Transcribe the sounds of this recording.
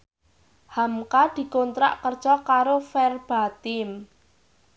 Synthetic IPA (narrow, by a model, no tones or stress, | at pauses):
hamkad̪̥i̤kont̪ɾa̰ʔkərd̥ʒ̥ɔkaɾofɛrb̥a̤t̪ɪm